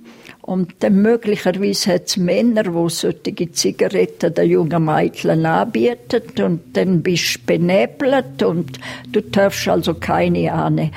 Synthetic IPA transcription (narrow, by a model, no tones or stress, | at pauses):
ʔʊntd̥ɛnmøɡ̥lɪçəɾviːshɛtsmɛnəɾvosøtɪɡit͡siɡ̥aɾɛtədəjʊŋəmaɪtʰlənaːbiətətʊntd̥ɛnbɪʃb̥enɛblətʊntd̥uːtʰœfʃalsokʰaɪniaːnɛ